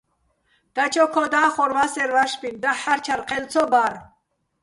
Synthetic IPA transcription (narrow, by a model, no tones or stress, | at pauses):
d̪̥at͡ʃʰɔkʰɔd̪aːχɔɾvasɛɾːaʃpind̪aħaɾt͡ʃʰaɾqʰʼɛlt͡sʰɔbaɾ